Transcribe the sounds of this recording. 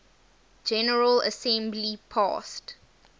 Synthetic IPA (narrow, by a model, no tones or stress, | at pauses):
d͡ʒɛnəɹələ̰sɛ̃mblipʰɑ̰ːˑst